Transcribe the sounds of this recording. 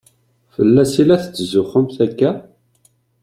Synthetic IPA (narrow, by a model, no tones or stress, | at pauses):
fəlːæsilæθt͡sːəzʊχəmθækːæ